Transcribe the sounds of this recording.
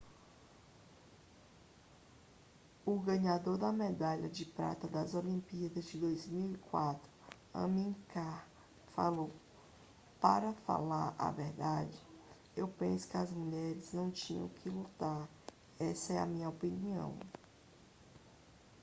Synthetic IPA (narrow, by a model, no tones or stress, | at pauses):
ʊɡɐ̃ɲad̪oɾd̪ɐmed̪aʎɐd͡ʒɪpɾa̰t̪ɐd̪ɐzolĩpiɐd̪ɐzd͡ʒɪd̪ojzmiwikwat̪ɾʊ | ɐ̰̃mĩka | fa̰low | paɾɐfa̰laɾa̰vɛɾd̪ad͡ʒɪ | ewpẽsʊ̥kɪɐzmuʎɛɾɪznɐ̃w̃t͡ʃĩɲɐ̰̃w̃kʰɪlut̪aɾ | ɛsɐɛɐ̰mĩɲɐopiniɐ̰̃w̃